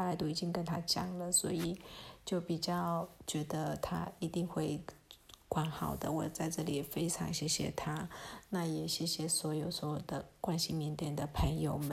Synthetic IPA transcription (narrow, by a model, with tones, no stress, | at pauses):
a˥˩la˧˥ɪt̪u˥˩i˨˩t͡ɕi˥ŋkə˧˥nt̪ʰa˥t͡ɕjɑ̰˨˩ŋlə˨swɔ̰˧˥i˨˩t͡ɕjo˥˩ʊpi˨˩t͡ɕjɑ˥˩ʊt͡ɕɥɛ˧˥d̪ə˧t̪ʰa̰˥i˧˥t̪i˥˧ŋxwe˥˩ɪkwa˧˥nxɑ˨˩ʊd̪ə˦wɔ˨˩t͡sa˥˧ɪʈ͡ʂɤ˥˩li˨˩fe˥ɪʈ͡ʂʰɑ̰˧˥ŋɕjɛ˧˥ɕjɛ̰˧˥t̪ʰa˥na˥˩jɛ˨˩ɕjɛ˧˥ɕjɛ˧˥swɔ˧˥jo˨˩ʊswɔ˧˥jo˨˩ʊd̪ə˦kwa˥nɕi˨mi˧˥nt̪jɛ˨˩nd̪ə˩pʰə˧˥ŋjo˧ʊmə˦n